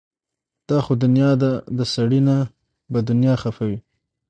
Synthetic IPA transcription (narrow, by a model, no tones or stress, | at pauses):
d̪̥ɑxod̪ʊnjɑd̪ad̪əsaɽina | bad̪ʊnjɑxafawi